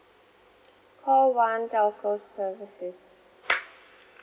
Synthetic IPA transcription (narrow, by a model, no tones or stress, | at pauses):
kʰɔlwãndalkʰosəːvɪsɪz